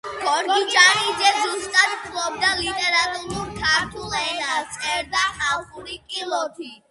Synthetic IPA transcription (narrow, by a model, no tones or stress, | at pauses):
ɡ̥ɔɾdɡ̪ut͡ʃʼanizɛzust̪ʼad̪p̪ʰlɔb̚d̪alit̪ʼɛɾat̪ʼuɾuɾd̪ʰaɾt̪ʰulɛnat͡sʼɛɾd̪ahaʁuɾikʼilɔt̪ʰi